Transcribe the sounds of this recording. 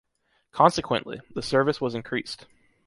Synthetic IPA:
kʰɑ̃nsɨkʰwə̰̃nʔlḭðəsɜ˞vɨswʌzɨ̃nkʰɹ̥ist

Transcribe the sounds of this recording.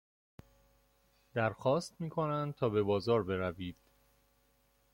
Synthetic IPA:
d̪̥æɾxɒːst̪̚miːkʰo̞nænd̪̚t̪ʰɒːbe̞bɒːzɒːɾbe̞ɾæviːd̪̥

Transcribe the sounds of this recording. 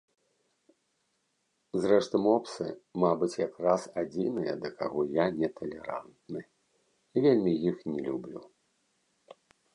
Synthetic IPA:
zrɛʂt̪ɐmɔpsɨ̰mabɨt͡sʲjakrasad͡zʲḭnɨjɐ̰d̪ɐkaɣɔjanʲɛt̪ɐlʲɛɾa̰nt̪nɨ | ivʲelʲmʲijixnʲɛlʲublʲu

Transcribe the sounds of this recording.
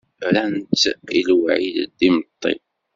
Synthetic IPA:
ɾænt̪ilwʕiðd̪imət̪ˤːḭ

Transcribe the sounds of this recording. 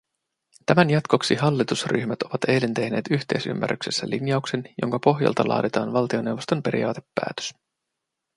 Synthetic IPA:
t̪æmænjɑt̪ko̞ksiɦɑlːit̪usry̰çmæt̪o̞ʋɑt̪e̞jle̞nt̪e̞hne̞ːt̪yçt̪e̞jsy̰mːæ̰ry̰ksesːæ̰linjɑukse̞njo̞̰ŋkɑpo̞ɦjɑ̰lt̪ɑlʔɑ̰ːdet̪ɑːnʋɑlt̪io̞ne̞wʋo̞st̪o̞mpe̞ɾḭjɑːt̪e̞pːæ̰ːt̪ø̥s

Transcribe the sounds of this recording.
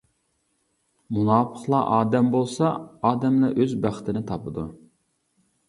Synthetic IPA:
munɑːpʰəχlˠɑʔɑːd̪ɛmbolˠsɑɑːd̪ɛmlɑʔøzbæχt̪ʰɪnɪt̪ʰɑpɨd̪u

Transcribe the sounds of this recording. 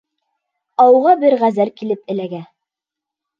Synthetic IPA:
ɑwʁɑbɘɾʁæzælkilɘp̚ɘ̆læɡæ

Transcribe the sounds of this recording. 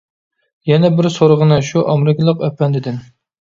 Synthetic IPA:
jɛnɛbɪɾsoɾʁənɨʃuʔɑmɪɾɪkʲlˠəqœpːɛnd̪ɪd̪ɪn

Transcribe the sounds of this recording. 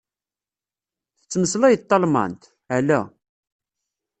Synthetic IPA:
θə̥t͡sːməslæjət̪ˤːɑlmə̰nt̪ | ʕəlæ

